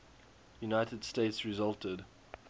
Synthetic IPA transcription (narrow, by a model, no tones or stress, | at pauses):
junaɪtəd̥steɪtsɹizʌltəd